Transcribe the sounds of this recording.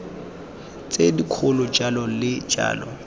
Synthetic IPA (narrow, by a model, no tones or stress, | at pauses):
t͡sʼedikʰʊlʊd͡ʒalɔlɪ̥d͡ʒa̰ːlɔ̰